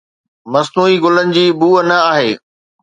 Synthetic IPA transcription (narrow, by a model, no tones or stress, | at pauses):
mɐznuːiɡʊlənɪ̆d͡ʑiːbuːənɐaːɦeː